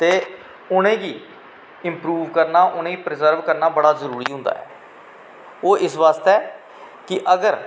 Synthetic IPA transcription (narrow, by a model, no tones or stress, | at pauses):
t̪eː | ʊñẽːɡiː | ɪmpɾuːʋkəɾnaːʔʊñẽːiːpɾɪzəɾʋkəɾnaːbəɽaːzəɾuːɾḭːɦʊ̃nd̪a̰ːɛ̰ː | oːʔɪsʋaːst̪ɛː | kɪʔəɡəɾ